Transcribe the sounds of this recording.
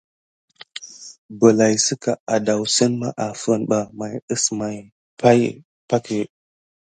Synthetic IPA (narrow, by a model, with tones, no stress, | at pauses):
bə˨la˨jsə˦ka˨a˨da˨wsə˦nma˦ʔa˨fə˦nɓa˨ma˨jə˦sma˨j | pa˦j | pa˦ki˨